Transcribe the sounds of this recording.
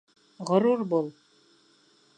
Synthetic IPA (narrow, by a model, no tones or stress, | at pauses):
ʁŏɾuɾbulˠ